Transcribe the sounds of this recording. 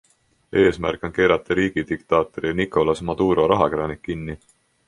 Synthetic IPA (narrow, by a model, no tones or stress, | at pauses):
e̞ːsmæ̰rkːˑo̞nke̞ːɾɑt̪ːˑɑɾiːɡ̥id̪̥ikt̪ɑːt̪ˑoɾinikˑo̞lɑsmɑd̪̥uːɾo̞ɾɑɦɑkeɾɑnikːinːi